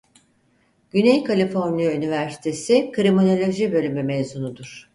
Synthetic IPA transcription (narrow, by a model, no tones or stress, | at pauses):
ɟ̥ynejkʰalʲifo̞ɾnijaynivæɾsi̥t̪ʰe̞sikʰɾimono̞lʲo̞ʒibø̞lʲymymejzunud̪uɾ̥